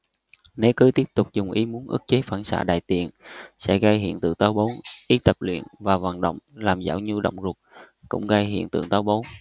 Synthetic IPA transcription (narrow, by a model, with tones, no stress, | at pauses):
ne˨˦kɨ˨˦t̪i˦˥əp̚t̪ʊ˨˩k͡p̚zʊ˨˩ŋ͡mʔi˨˦mu˨˦ənʔɨ̰˦˥k̚t͡ɕe˨˦faː˧˩nsa̰ː˧˩ɗa̰ː˧˨jt̪ḭ˨ənsɛ̰˧˥ɣa˧jhḭ˧˨ənt̪ɨ̰˧˩t̪aː˨˦wɓo˨˦wʔi˨˦t̪ə˨˩p̚lwḭ˧˨ənvaː˨˩va˨˩nɗə̰˧˨wŋ͡mlaː˨˩mza̰ː˧˩wɲu˧ɗə̰˧˨wŋ͡mzu˨˩t̚ | kʊ̰˧˥ŋ͡mɣaː˧jɦḭ˧˨ənt̪ɨ̰˧˨əŋt̪aː˨˦wɓo˨˦w